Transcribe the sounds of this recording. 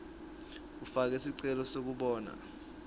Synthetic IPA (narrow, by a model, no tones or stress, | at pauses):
ufak̬ɛsiǀɛlɔsok̬uɓɔːna̰